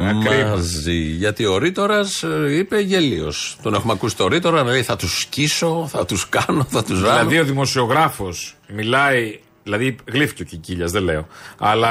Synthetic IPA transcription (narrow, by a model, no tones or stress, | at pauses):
ɐmkɾɐiziʝɐt̪io̞ɾit̪o̞ɾɐsipe̞ʝe̞lḭo̞̰st̪o̞ne̞xumeɐkusi̥t̪oɾit̪o̞ɾɐnɐeiθɐt̪usciso̞θɐt̪uskɐno̞θɐt̪uzɾɐlɐoðioðimosio̞ɣɾɐfo̞smilɐi | ðilɐðiɣlifi̥ceociciʎɐzðele̞o̞ɐlɐ